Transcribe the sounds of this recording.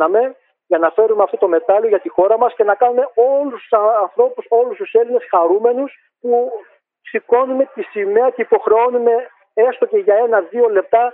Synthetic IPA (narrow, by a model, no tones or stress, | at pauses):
ɐme̞ | ʝɐnɐfe̞ɾumeɐft̪ot̪o̞me̞t̪ɐloʝɐt̪ixo̞ɾɐmɐsce̞nɐkɐnume̞o̞lust̪u̥sɐɐnθɾo̞puso̞lust̪use̞line̞sxɐɾume̞nus | pu | ksiko̞nume̞t̪isime̞ɐceipo̞xɾe̞onume̞ | e̞st̪o̞ce̞ʝɐe̞nɐðio̞le̞p̚t̪ɐ